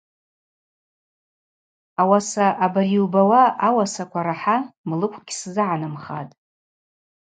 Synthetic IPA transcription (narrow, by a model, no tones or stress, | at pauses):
awasaʔabariwbawaawasakʷʰaɾaħamlɨkʷʰɡʲszɨʕanamχa̰tʼ